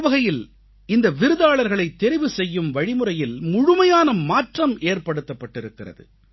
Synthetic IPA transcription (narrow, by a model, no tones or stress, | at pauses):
ʋɐɣɐjɪl | ɪnd̪ɐʋɪɾɯðaːɭɐɾɣɐɭɐɪt̪ːɛɾɪʋɯsɛjːɯmʋɐɻɪmɯɾɐjɪlmʊɻʊmɐjaːnɐmaːʈrɐmʔeːrpɐɽɯt̪ːɐpːɐʈːɪɾɯkːɪrɐ̰ðɯ̰